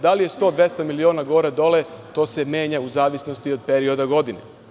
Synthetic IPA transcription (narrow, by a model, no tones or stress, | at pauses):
d̪alije̞st̪o̞ːd̪ʋe̞st̪amilioːnaɡoːɾad̪o̞let̪o̞ːse̞mje̞ːɲauzaːʋisnost̪iod̪̚peɾio̞d̪aɡo̞d̪inḛ